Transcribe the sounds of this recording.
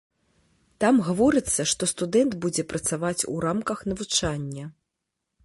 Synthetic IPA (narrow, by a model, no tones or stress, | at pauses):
t̪amɣavɔɾɨt̪sːɐʂt̪ɔst̪ud̪ɛnd̪bud͡zʲɛpɾʔɐt̪savat͡sʲṵɾamkɐxnɐvut͡ʂanʲːɐ